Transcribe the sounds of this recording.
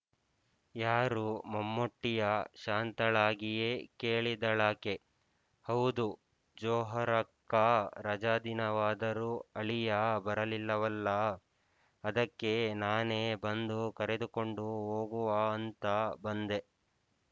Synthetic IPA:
jaːɾumɐmːoʈːijɐʃaːnt̪ɐɭaːɡije̞ːkeːɭid̪ɐɭaːke̞ | hɐwd̪u | d͡ʒɔːɦɐɾɐkːaɾɐd͡ʒaːd̪inɐʋaːd̪ɐɾuɐɭijabɐɾɐlilːɐʋɐlːɐː | d̪ɐkːe̞naːneːbɐnd̪ukɐɾe̞d̪uko̞ɳɖuɦoːɡuʋaːnt̪ɐbɐnd̪e̞

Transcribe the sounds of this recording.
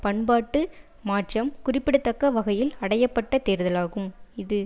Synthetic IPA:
pɐɳbaːʈːɯ | maːʈrɐmkʊrɪpːɪɽɯt̪ːɐkːɐʋɐɣɐjɪlɐɽɐjɐpːɐʈːɐt̪eːɾðɐlaːɣɯmɪðɯ

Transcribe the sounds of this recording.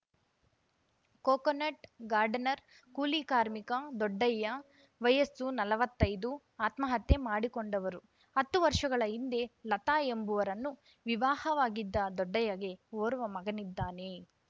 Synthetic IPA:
koːkɐneʈɡaːɾɖɐnɐɾ | kuːlikaːɾmikad̪ɔɖːɐjːɐ | ʋɐjɐsunɐlɐʋɐt̪ːɐjd̪u | aːt̪mɐɦɐt̪ːe̞maːɽikoɳɖɐʋɐɾu | ɐt̪ːuʋɐɾʂɐɡɐɭɐind̪e̞lɐt̪aːjembuʋɐɾɐnːu | ʋiʋaːhɐʋaːɡid̪ːɐd̪ɔɖːɐjɐɡe̞oːɾuʋɐmɐɡɐnid̪ːaːne

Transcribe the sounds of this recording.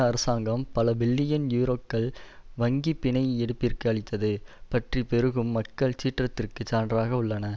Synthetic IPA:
ɐɾɐsaːŋɡɐmpɐlɐbɪɭːɪjɐnjuːɾoːkːɐɭʋɐŋɡipɪɳɐɪɛɽɯpːɪɾkɐɐɭɪt̪ːɐðɯpɐʈripɛɾɯɣɯmːɐkːɐɭt͡ʃiːʈrɐt̪ːɪrkɯt͡ʃaːndraːɣɐʊɭːɐnɐ

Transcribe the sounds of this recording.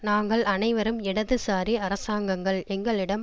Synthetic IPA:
naːŋɡɐɭɐnɐɪʋɐɾɯmɪɽɐðɯsaːɾiɐɾɐsaːŋɡɐŋɡɐɭɛŋɡɐɭɪɽɐm

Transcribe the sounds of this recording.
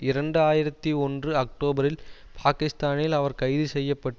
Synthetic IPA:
ɪɾɐɳɖɯaːjɪɾɐt̪ːiɔndrɯɐk̚ʈoːbɐɾɪl | pʰaːkɪst̪aːnɪlɐʋɐɾkɐɪðɯsɛjːɐpːɐʈː

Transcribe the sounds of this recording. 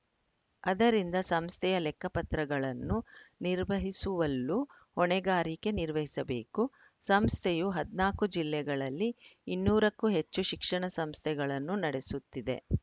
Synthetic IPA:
ɐd̪ɐɾind̪ɐsɐmst̪ʰɛjɐlɛkːɐpɐt̪ɾɐɡɐɭɐnːuniɾʋɐɦisuʋɐlːu | ɔɳɛɡaːɾike̞niɾʋɐɦisɐbe̞ːku | sɐmst̪ʰɛjuɦɐd̪naːkud͡ʒilːɛɡɐɭɐlːiinːuːɾɐkːuɦe̞t͡ʃːuʃikʂɐɳɐsɐmst̪ʰɛɡɐɭɐnːunɐɽe̞sut̪ːid̪e̞̰

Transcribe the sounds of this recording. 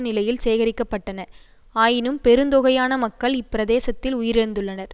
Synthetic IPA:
nɪlɐjɪlseːɣɐɾɪkːɐpːɐʈːɐnɐ | aːjɪnɯmpɛɾɯnd̪oɣɐjaːnɐmɐkːɐɭɪpːɪɾɐðeːsɐt̪ːɪlʊjɪɾɪɾɯnd̪ɯɭːɐnɐɾ

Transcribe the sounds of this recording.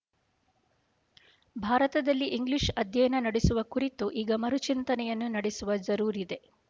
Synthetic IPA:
bʱaːɾɐt̪ɐd̪ɐlːiʔiŋɡliʂɐd̪ʱjɐjɐnɐnɐɽesuʋɐkuɾit̪uʔiːɡɐmɐɾut͡ʃint̪ɐnɛjɐnːunɐɽesuʋɐd͡ʒɐɾuːɾid̪e̞

